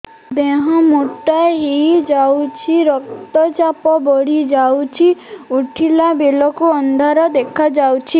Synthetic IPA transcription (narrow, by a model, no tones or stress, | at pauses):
d̪eɦɔ̃moʈːaeɦid͡ʒawt͡ʃʰiɾɔk̚t̪ɔt͡ʃapɔbɔɽ̤id͡ʒawt͡ʃʰiuʈʰilabelɔkuɔnd̪ʱaɾɔd̪ekʰad͡ʒawt͡ʃʰi